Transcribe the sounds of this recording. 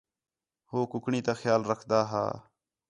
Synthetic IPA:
hoːkʊkɳiːt̪aːxjaːlɾəkʰd̪aːɦa̰ː

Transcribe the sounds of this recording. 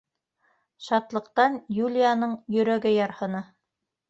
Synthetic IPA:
ʃɑt̪lˠɤ̆qt̪ɑnjulʲijanɤɴjɵ̆ɾæɡɘjɑɾhɤ̆nɑ

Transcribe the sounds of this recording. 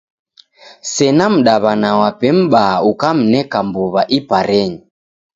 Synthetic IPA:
sɛnam̩ɗaβanawapɛm̩ɓaaukam̩nɛkambuβaʔipaɾɛɲi

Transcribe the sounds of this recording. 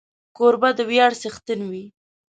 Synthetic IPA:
koɾbad̪əwjɑɽsəxt̪ənwi

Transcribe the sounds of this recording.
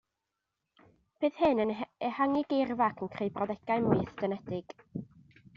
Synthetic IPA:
b̥ɨð̥hɨnənəhaŋiɡervakʰənkʰrejbrɔðɛɡ̥aɨmʊɨθd̥ənɛdɪɡ̥

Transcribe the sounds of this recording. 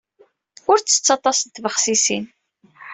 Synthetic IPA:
ʊɾt͡sːə̥t͡sːɑt̪ˤɑsənt̪ːvəχsisin

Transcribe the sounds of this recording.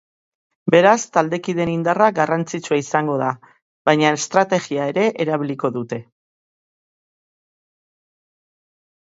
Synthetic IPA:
be̞ɾast̪ald̪e̞kiðe̞nind̪araɡarant͡sit͡suaisaŋɡo̞ð̞a | βajɲaest̪ɾat̪e̞ɣiae̞ɾe̞ʔeɾaβ̞iliko̞ðut̪e̞

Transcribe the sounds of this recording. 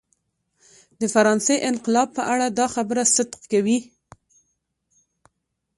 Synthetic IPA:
d̪əfaɾɑnseʔɪnqɪlɑb̚pəʔaɽad̪ɑxabəɾasɪd̪qkawi

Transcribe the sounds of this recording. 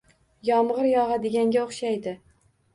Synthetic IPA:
jɒmʁɨɾjɒʁɑd̪ɪɡʲaŋɡʲaoχʃajd̪ɪ

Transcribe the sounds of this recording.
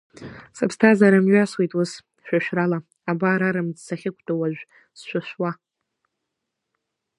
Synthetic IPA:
sapʰstʰazaɾamɥaswejtʼʊs | ʃᶣʷaʃᶣrala | abaːɾaɾamd͡zsaχʲɪkʷʰdʰʼawaʒᶣʷ | sʃʷaʃʷwa

